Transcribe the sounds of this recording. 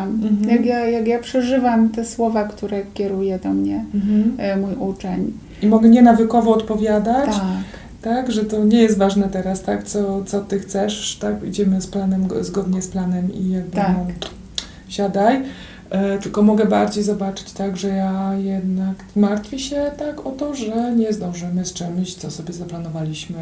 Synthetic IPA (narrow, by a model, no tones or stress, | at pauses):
m̩jakjajakjapʂɛʐɘvamt̪ɛswɔvakt̪uɾɛkʲɛɾujɛd̪ɔmɲɛm̩mujʔut͡ʂɛɲ | imɔɡɛɲɛnavɘkɔvɔːt̪pɔvʲjad̪at͡ɕt̪t͡ɕk | t̪aɡʐɛt̪ɔɲɛjɛst̪vaʐnɛt̪ɛɾast̪akt̪sɔt̪sɔt̪ɘxt̪sɛʂt̪akḭd͡ʑɛmɘsplanɛmzɡɔd̪ɲɛsplanɛmḭjɛd̪naɔ | ɕad̪aj | t̪ɘlkɔmɔɡɛbaɾd͡ʑejzɔbat͡ʂɘ̥t͡ɕt̪aɡʐɛjajɛd̪nakmaɾt̪fʲjɛɕɛt̪akɔt̪ɔʐɛɲɛzd̪ɔ̃w̃ʐɛmɘst͡ʂɛmɕt̪sɔsɔbʲjɛzaplanɔvalʲiɕmɘ